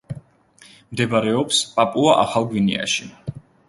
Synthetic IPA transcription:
md̪ɛbaɾɛɔpspʼapʼuaʔaχalˠɡwinḭa̰ʃi

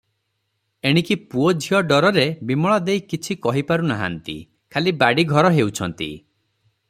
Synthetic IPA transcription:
eɽ̃ikipuod͡ʒʱiɔɖɔɾɔɾebimɔɭɔd̪ejkit͡ʃʰikɔɦipaɾunaɦa̰nt̪ḭ | kʰalibaɽiɡʱɔɾɔɦewt͡ʃʰɔnt̪ḭ

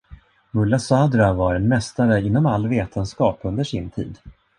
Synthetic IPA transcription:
mɵlːasaːd̪ɾavaɾɛnmɛst̪aɾəɪnːɔmalːveːt̪ʰənskɑːpɵnd̪əʂɪnt̪ʰḭːd̪

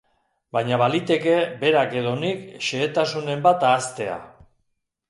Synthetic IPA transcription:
bajɲaβalit̪e̞ke̞be̞ɾake̞ð̞o̞nikʃe̞ːt̪asune̞mbat̪aːst̪e̞a̰

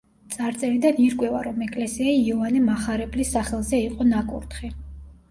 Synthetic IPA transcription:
t̪sʼaɾt̪sʼɛɾid̪aniɾkʼwɛvaɾɔmɛkʼlɛsiaiɔvanɛmaχaɾɛblisːaχɛlˠzɛiqʼɔnakʼṵɾt̪χɛ

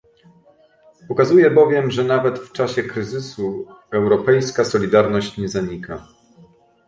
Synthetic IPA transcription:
pɔkazujɛbɔvʲjɛmʐɛnavɛt̪ft͡ʂaɕɛkɾɘzɘsu | ɛwɾɔpɛjskasɔlʲid̪aɾnɔɕt͡ɕɲɛzaɲika

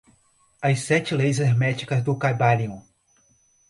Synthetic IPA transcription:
ɐjsɛt͡ʃɪlejzɛɛɾmɛt͡ʃi̥kɐzd̪ʊkajbalĩũ

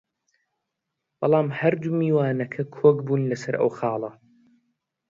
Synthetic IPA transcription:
b̥ɑlˠɑːmhɐɾd̪umiːwaːnɐkʰɐkʰoːɡbuːnlɐsɐɾʔɐ̰wxɑːlˠɐ

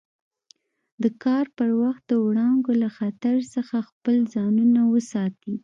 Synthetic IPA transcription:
d̪əkɑɾpəɾwaxt̪̚d̪əwɽɑŋɡolaxat̪aɾsəxaxpəlzɑnunawəsɑt̪i

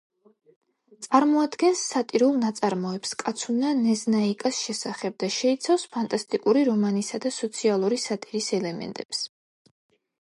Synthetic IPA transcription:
t̪sʼaɾmɔad̪ɡɛnsːat̪ʼiɾulˠnat̪sʼaɾmɔɛpskʼat̪sʰunanɛznaikʼasʃɛsaχɛb̚d̪aʃɛit̪sʰafspʰant̪ʼast̪ʼikʼuɾiɾɔmanisad̪asɔt̪sʰialˠuɾisat̪ʼiɾisɛlɛmɛ̰nt̪ʼɛps

